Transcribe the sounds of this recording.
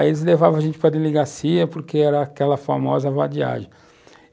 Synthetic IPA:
elɪzlevavɐʒẽnt͡ʃɪpɾɐd̪eliɡasiɐpoɾkeɛɾɐːkɛlɐfamɔzɐvad͡ʒia̰ʒẽj̃

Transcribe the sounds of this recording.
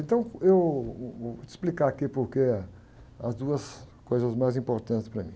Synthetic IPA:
ẽt̪ɐ̃w̃ewoɪ̥splikaakipoɾke | ɐzd̪uɐskojzɐzmajzĩmpoɾt̪ɐ̃nt̪ɪspɾɐmĩ

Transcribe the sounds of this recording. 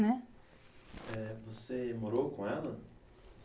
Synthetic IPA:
nɛ | ɛvosemoɾokõɛlɐ

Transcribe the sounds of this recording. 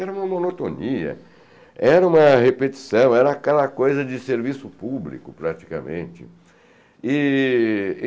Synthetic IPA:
ɛɾɐũmɐmõnot̪oniɐ̰ | ɛɾɐũmɐhepet͡ʃi̥sɐ̃w̃ɛɾɐːkɛlɐkojzɐd͡ʒɪseɾvisʊpublḭkʊpɾat͡ʃi̥kɐmḛ̃nt͡ʃɪ̰ | ɪ

